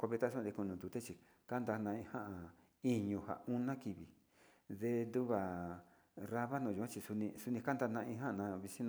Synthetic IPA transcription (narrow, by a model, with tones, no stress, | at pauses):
kʷo˧βe˧t̪a˦s̬õ˦˧d̪e˧ku˧nũ˨nd̪u˨˧t̪e˦t͡ʃi˧ | ka˦nd̪a˧nã˧ĩ˧hã˦ʔa˧ | i˧ɲũ˧ha̰˨u˦nã˦ki˧βi˨ | ðe˧nd̪u˦βa˨ | ra˧βa˦nõ˧˨u˨ã˦˧t͡ʃi˧su˧nĩ˧su˧nĩ˧ka˦nd̪a˧nã˧ĩ˧ɦã˦˧nã˧βi˧si˦nã˧